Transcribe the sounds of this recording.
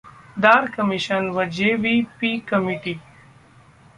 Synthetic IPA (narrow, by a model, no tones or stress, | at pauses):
d̪aːɾkəmiʃənʋəd͡ʑeʋipikəmiʈi